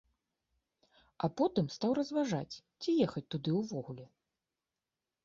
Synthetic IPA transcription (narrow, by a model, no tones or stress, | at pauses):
apɔt̪ɨmst̪awrɐzvaʐa̰t͡sʲt͡sʲijɛxɐt͡sʲt̪ud̪ɨwvɔɣulʲɛ